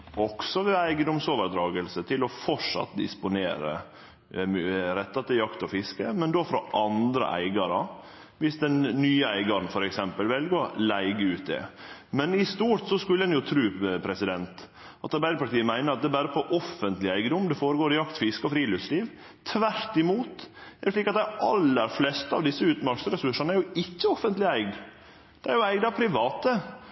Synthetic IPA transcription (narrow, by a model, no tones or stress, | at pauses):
ʔɔksɔʋɛæɪɡəd̪ʊmsoːʋəɾd̪ɾɑːɡəlsət̪ʰɪlɔfɔʂɑ̰t̪ːd̪ɪ̰spʊnḛːɾə̰ | mːɾɛt̪ːɑt̪̚d̪ɛjɑkt̪ɔfɪskəmɛnd̪ofɾɔʔɑnd̪ɾə̰ʔæ̰ɪɡɑɾə | ʋɪsd̪ɛnnyːəæɪɡɑɾn̩fɔɾɛksɛmpəlʋɛlɡoːlæɪɡəʉːt̪̚d̪ɛ̰mɛnɪst̪uːt̪sɔskʉlːəɛnjʊt̪ʰɾʉːpʰɾɛsɪd̪ɛnt̪ | ʔɑt̪ɑɾbæɪd̪əpɑʈ̪iːəmæɪnəɾɑt̪̚d̪ɛːbæːɾəpʰɔʔɔfənt̪lɪæɪɡəd̪ʊmd̪ɛfoːɾəɡoːɾɪjɑkt̪fɪskɔfɾiːlʉsliːʋ | t̪ʰːʋæɾtɪmuːt̪æɾʂɭiːkɑt̪d̪æʔɑlːəɾflɛst̪əɑ̰ʋd̪ɪsːəʉːt̪mɑɾksɾɛsʉʂɑnəæɾjʊɪçːəɔfːənt̪lɪæɪɡ | d̪̥ɛæɾjʊæɪɡd̪ɑʋpʰɾɪʋɑːt̪ə